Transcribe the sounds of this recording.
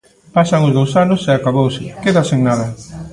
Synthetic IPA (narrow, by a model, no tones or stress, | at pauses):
pasɐŋʊzðowsanʊseakaβowsɪkeðaseŋnaðɐ